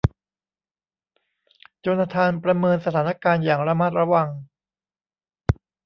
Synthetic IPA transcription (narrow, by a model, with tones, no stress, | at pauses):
t͡ɕoː˧naː˧t̪ʰaː˧npɾa˧mɤː˧nsa˧t̪ʰaː˩˦na˦˥kaː˧njaː˨˩ŋɾa˧ma˦˥˩t̪̚ɾa˧wa˧ŋ